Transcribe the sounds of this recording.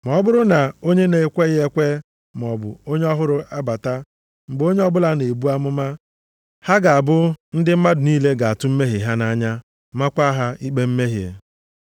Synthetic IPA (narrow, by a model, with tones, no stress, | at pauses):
mɔ˨ɔ˦bʊ˦ɾʊ˦na˨o˦ɲe˦ne˨˦kʷe˦ɣɪ˦e˦kʷe˦ | m˨ɔ˨bʊ̰˨o˦ɲe˦ɔ˦ɦʊ˦ɾʊ˦ʔa˦ba˨ta˦ | ŋ͡m̩˨ɡ͡bo˦ɲe˦ɔ˦bʊ˦la˦ne˨bu˦a˦mʊ˦ma˦ | ha˦ɡa˨a˨bʊ˦n̩˦dɪ˦m̩˦ma˦dʊ˨niː˦le˦ɡa˨a˨tʊ˦m̩˦me˦ɦɪ˨ɦa˦na˦ɲa˦ | ma˦kʷa˦ɦa˦i˦k͡pe˦m̩˦me˦ɦi˨ḛ˨